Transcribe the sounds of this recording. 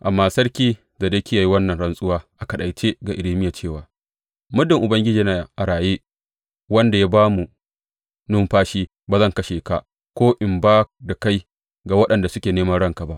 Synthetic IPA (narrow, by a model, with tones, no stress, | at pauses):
ʔa˨mːaː˦sɐ˦ɽkʲiː˦ | za˨de˦kʲi˦ja˨ji˦wɐ˦nːɐ˨nɽɐ˦nsʼʊ˦waː˦ʔa˨kɐ˨ɗa˨jt͡ʃeː˦ɡa˨ʔɪ˨liː˦mɪ˦ja˨t͡ʃeː˦˨waː˨ | mʊ˦dɪ˨ŋʔʊ˨bɐ˦ŋɡʲɪ˦d͡ʒiː˨na˨ʔa˨ɾaː˨je˦ | wɐ˦nda˨ja˦baː˦mu˨ | nʊ˦mɸaː˦ʃiː˦ | ba˨zɐ˦˨ŋkɐ˦ʃeː˨ka˨ | kʷoː˦ʔɪ˨mbaː˦da˨ka˦j | ɡa˨wɐ˦ɗɐ˨nda˨sʊ˦kʲeː˨neː˦mɐ˦nɽɐ˦ŋka˨ba˦ʔ